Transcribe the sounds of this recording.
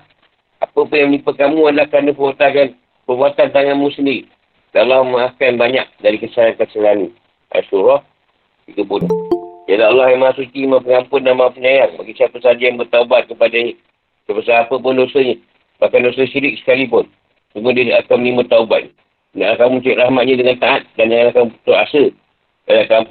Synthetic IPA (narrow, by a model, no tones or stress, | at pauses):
apəpunjamənipakamuanlahkanəpərbat̪akan | pərbuat̪ant̪aŋanmusəndiɾi | lalːɔhməakanbaɲak̚daɾikəsaankasəlani | a̰suɾɔh | tiɡəpunʊd͡ʒadlaalːɔhjamaasut̪iːmap̬əŋampʊndanmaapəɲajaŋmaɡisapəsad͡ʒajaŋbərt̪aubat̪̚kəpada | sapəsaapəbəndosəɲə | bahkandosəʃiɾɪk̚sə̥kalip̬ʊn | səmudiəakaməlimat̪ːaubat̪̚n | naʔlakamut͡ʃuiʔrahmat̪̚ɲadəŋant̪aʔat̪̚dand͡ʒaŋanakat̪uɾasə | alakamp